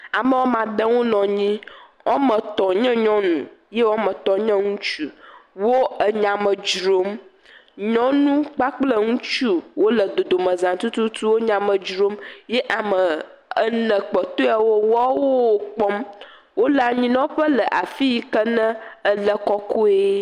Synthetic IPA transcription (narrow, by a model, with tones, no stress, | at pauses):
a˨mə˦wo˦mã˨d̪ə˦wo˦nɔ̃˨ɲĩ˦ | ɔ̃˦mə̃˨t̪ɔ˨ɲɛ̃˦ɲɔ̃˦nũ˨je˦wɔ˦mə̃˨t̪ɔ˨ɲə̃˦ŋũ˦t͡ʃu˦wo˦ə˨ɲã˨mə˨d͡ʒɾo˦m | ɲɔ̃˦nũ˦k͡pa˦k͡plə˦ŋũ˦t͡ʃu˦wo˦lə˨d̪o˨d̪o˨mə̃˨zã˨t̪u˦t̪u˦t̪u˦wo˦ɲã˨mə̃˨d͡ʒɾo˦mje˦ʔa˨mə˨ | ə˦nə̃˨k͡pɔ˨t̪o˦a˨wo˦wɔ˦wo˦˨k͡pɔ˦m | wo˦la˨ɲĩ˦nã˦wo˦ɸə˦lə˨ʔa˨fi˦ji˦kə˦nə̃˦ə˦lə˦kɔ˦ko˦e˦